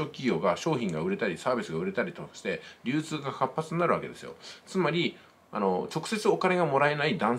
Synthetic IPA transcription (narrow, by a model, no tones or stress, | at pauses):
o̞ːkʲiɡʲo̞ːɡaɕo̞ːçĩŋɡaɯ̟ɾe̞t̪aɾʲisaːbʲisɨɡaɯ̟ɾe̞t̪aɾʲit̪o̞kḁɕi̥t̪e̞ɾʲɨːt͡sɨːɡahapːat͡sɨɲʲinaɾɯ̟βake̞d̪e̞sɨjo̞̰t͡sɨmaɾʲi | a̰no̞t͡ɕo̞kɯ̟̥se̞t͡sɨo̞kane̞ɡamo̞ɾae̞naid̪ãɰ̃